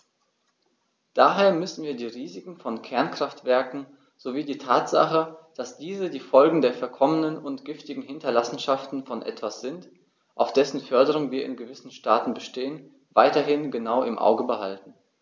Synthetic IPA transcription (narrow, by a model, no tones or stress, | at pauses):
d̥aɦeːɐmʏsn̩viːɐdiːʁiːzɪkŋ̩fɔnkʰɛɐnkʁ̥aftv̥ɛɐkŋ̩ | z̥oviːdiːtʰaːtz̥a̰χəd̥asd̥iːzədiːfɔlɡŋ̩deːɐfɛɐkʰɔmənənʊntɡ̥ɪftɪɡŋ̩hɪntɐlasn̩ʃaftn̩fɔnʔɛ̰tv̥asz̥ɪnt | ʔaʊfd̥ɛsn̩fœɐdəʁ̞ʊŋviːɐɪ̰nɡəvɪsn̩ʃtaːtn̩bəʃteːən | vaɪtɐɦɪnɡənaʊɪmʔa̰ʊɡəbəhaltn̩